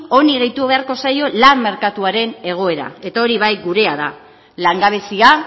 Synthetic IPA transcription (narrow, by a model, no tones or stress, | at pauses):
o̞niɣejt̪uβe̞aɾko̞sajo̞lamːe̞ɾkat̪uaɾe̞ne̞ɣ̞o̞e̞ɾa̰e̞t̪ao̞ɾiβajɡuɾe̞aða̰ | laŋɡaβ̞esia